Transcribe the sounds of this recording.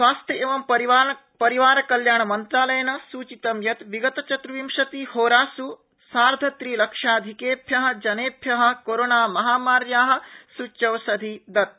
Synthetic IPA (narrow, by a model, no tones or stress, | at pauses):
sʋaːst̪ʰjɐeːʋɐmpɐɾi | pɐɾiʋaːɾɐkɐljaːɳɐmɐnt̪ɾaːlɐjɐnɐsuːt͡ʃit̪ɐmjɐt̪ʋiɡɐt̪ɐt͡ʃɐt̪ɾuʋimʂɐt̪ihoːɾaːsu | saːɾd̪ʱɐt̪ɾiːlɐkʂaːd̪ʱikeːpʰjɐɦɐ̆d͡ʒɐneːpʰjɐɦɐ̆koɾoːnaːmɐɦaːmaːɾjaːɦɐ̆sut͡ʃːɐʋɐsɐd̪ʱid̪ɐt̪̚